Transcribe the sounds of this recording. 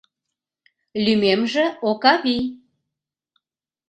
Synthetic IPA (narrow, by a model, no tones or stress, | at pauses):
lymemʒĕokɑβi